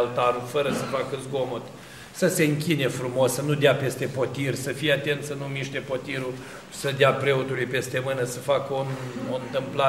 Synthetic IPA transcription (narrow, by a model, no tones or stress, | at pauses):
lt̪aɾufəɾəsəfakəzɡo̞mot̪ʲ | səse̞ɨŋkʲine̞fɾumo̞ssənud̪eape̞st̪e̞po̞t̪irʲsəfijeat̪e̞nt̪sənumiʃt̪e̞po̞t̪iɾu | səd̪eapɾe̞ot̪ulujpe̞st̪e̞mɨnəsəfakəonont̪ɨmpla